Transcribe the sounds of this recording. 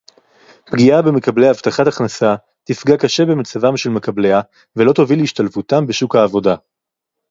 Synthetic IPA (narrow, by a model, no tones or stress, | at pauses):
pɡiabe̞me̞kable̞jaavt̪aχataχnasa | t̪ifɡakaʃe̞be̞mat͡savamʃelme̞kableja | velo̞t̪oviliʃtalfutambeʃukhaːvo̞da